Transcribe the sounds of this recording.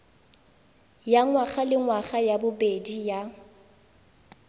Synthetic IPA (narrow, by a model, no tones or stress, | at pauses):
jaŋwaχalɪŋwaχajabʊbedija